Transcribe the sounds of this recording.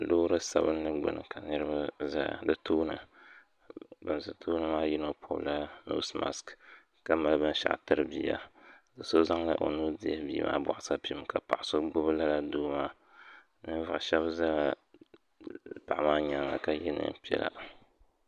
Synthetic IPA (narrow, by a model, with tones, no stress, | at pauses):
loː˦ɾɨ˦sa˨bɨ˦n˦nɨ˦ɡ͡bɨ̰˨nɨ̰˨kʰa˨nɨ˦ɾɨ˦ba˦za̰˦˨dɨ˦tʰoː˦nɨ̰˨ | bɨ˨nzɨ˨tʰoː˦nɨ˦maː˦ji˦no˦pʰo˦bla˦no̰˦sma̰˨sk | ka˦ma˨˦bɨ˦n˦ʃa̰˨ʔtɨ˦ɾɨ˨biː˦a̰˨dɨ˨so˦za˦ŋla̰˦ʔo˨nuː˦dɪ˦ɛ˦biː˦mʔa̰ː˦bɔ̰˨ʔa˦sa˦pi˦ka˨pa˨ʔa˨so˦ɡ͡bʊ˦bɨ˦la˦la˨duː˦maː˦ | nɨ˦va˨ʃɛ˦bza˦la˨ | pa˨ʔa˨maː˦ɲa˨ŋa̰˨ka˨jɛ̰˦nɨ̰˨˦pi˦ɛ̰˦la̰˨